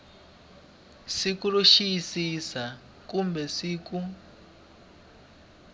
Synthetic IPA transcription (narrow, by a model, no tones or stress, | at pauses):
sikuruʃisisa | kumbɛsiːku